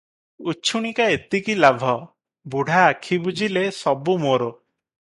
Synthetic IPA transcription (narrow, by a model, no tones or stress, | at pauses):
uːt͡ʃʰuɽ̃ikaet̪ikilabʱɔ | buɽ̤ʱakʰibud͡ʒilesɔbumoɾo